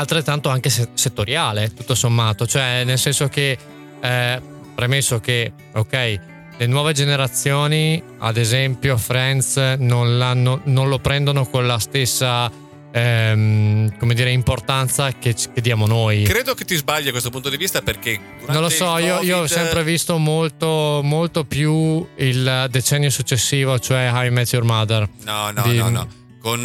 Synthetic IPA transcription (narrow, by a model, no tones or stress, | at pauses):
alt̪ɾet̪ːant̪oaŋkesset̪ːoɾjaːlet̪ut̪ːosomːaːt̪ot͡ʃoɛnelsɛnsok̟e | pɾemesːok̟e | okɛj | lenwɔːved͡ʒeneɾat̪sːjoːni | a̰d̪ezɛmpjofɾɛnt̪snonlanːononlopɾɛnd̪onokonlast̪esːa | komed̪iːɾeimport̪ant̪sakeked̪ːjaːmonojkɾeːd̪oket̪ːizbaʎːakwest̪opunt̪od̪ivist̪aperke | nnõnlːosɔiːoiːosɛmpɾevist̪omolt̪omolt̪opjuild̪et͡ʃɛnːjosut͡ʃːesːiːvot͡ʃoɛɦajmɛt̪jurmad̪ernɔnd̪i | kon